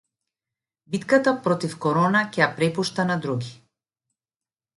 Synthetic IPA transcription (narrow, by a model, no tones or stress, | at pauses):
bit̪kat̪apɾɔt̪ifkɔɾɔnacʲɛjapɾɛpuʃt̪anad̪ɾuɡʲi